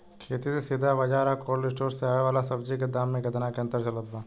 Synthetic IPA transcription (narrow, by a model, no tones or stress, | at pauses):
kʰeːt̪isesid̪ʱaʋɐd͡ʒaːɾəɦkoːɾlɪsʈoːɾseaːeʋaːlasɐbd͡ʒiked̪aːmːẽɡɐt̪nakeɐ̃nt̪əɾt͡ʃɐlət̪ʋãː